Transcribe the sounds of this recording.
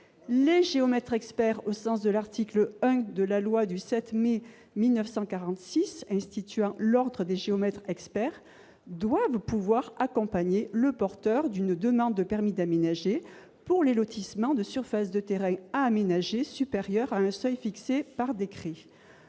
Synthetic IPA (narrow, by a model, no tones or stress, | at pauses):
leʒeɔmɛt̪χɛkspɛʁosɑ̃sd̪əlaʁt̪ikləœ̃d̪əlalwad̪ysɛt̪me | milnœfsɑ̃kaʁɑ̃t̪sisɛ̃st̪it̪yɑ̃lɔʁd̪ʁəd̪eʒeɔmɛt̪χɛkspɛʁ | d̪wavpuvwaʁakɔ̃paɲeləpɔʁt̪œʁd̪ynd̪əmɑ̃d̪ːəpɛʁmid̪amenaʒe | puʁlelɔt̪ʰismɑ̃d̪əsyʁfasd̪ət̪eʁɛ̃aːmenaʒesypeʁjœʁaɛ̃sœjfiksepaʁd̪ekχi